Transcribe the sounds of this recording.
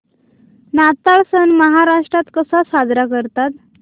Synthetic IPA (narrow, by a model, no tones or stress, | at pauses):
nat̪aɭsənməɦaɾaʂʈɾat̪kəsasad̪ɾakəɾt̪at̪